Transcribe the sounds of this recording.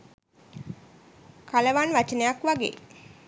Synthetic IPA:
kaləʋanʋat͡ʃənejakʋaɡḛː

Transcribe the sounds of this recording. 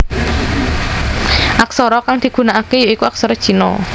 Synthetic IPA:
ʔaksɔɾɔkaŋd̪̥i̤ɡ̥ṳnaʔakejoikuaksɔɾɔd̥ʒ̥i̤nɔ̰

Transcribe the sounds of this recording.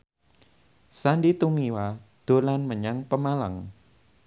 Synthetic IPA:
sandit̪umiwad̪̥o̤lanməɲaŋpəmalaŋ

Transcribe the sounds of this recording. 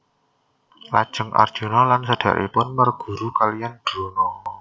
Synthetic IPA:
la̰d̥ʒ̥ə̤ŋʔa̰rd̥ʒ̥o̤nɔlansəd̥ä̤̰ʔḭpʊnmərɡ̥ṳɾukalijand̥ɾonɔ

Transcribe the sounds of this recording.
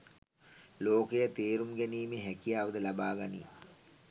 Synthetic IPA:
loːkəjət̪eːɾumɡæniːmeɦækijaːʋəd̪əlabaːɡanḭ

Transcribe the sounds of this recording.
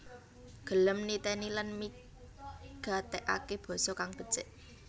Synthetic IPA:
ɡ̥ə̤ləmnit̪enilanmi | ɡ̥a̤t̪eʔa̰keb̥ɔ̤sɔkaŋb̥ə̤̥t͡ʃeʔ

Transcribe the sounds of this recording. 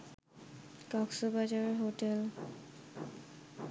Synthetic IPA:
kɔksɔbad͡ʒaɹɔɦotɛl

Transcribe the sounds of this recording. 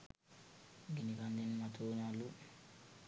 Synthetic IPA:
ɡinikand̪inmat̪ʰuːnalu

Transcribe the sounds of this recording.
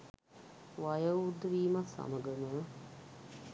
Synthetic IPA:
ʋajəʋud̪ːəʋiːmassa̰məɡəmə

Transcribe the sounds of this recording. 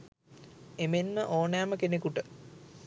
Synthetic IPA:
emenːəʔoːnaaməkenekuʈə

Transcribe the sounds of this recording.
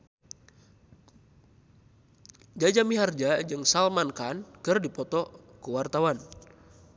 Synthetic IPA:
d͡ʒad͡ʒamiɦard͡ʒad͡ʒɨŋsalmankankɨrdipɔt̪ɔ | kəwart̪awan

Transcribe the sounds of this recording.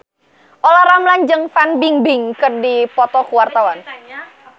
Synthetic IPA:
ʔolahɾamlaɲd͡ʒəŋfanbiŋbɪŋkɨrdipɔt̪ɔkuwart̪awan

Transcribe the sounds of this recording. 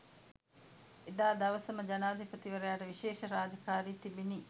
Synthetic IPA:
ed̪aːd̪ɐʋɐsɐməd͡ʒɐnaːd̪ipɾət̪iʋɐɾejaːʈəʋiʃeːʃəɾaːd͡ʒɐkaːɾiːt̪ibiniː

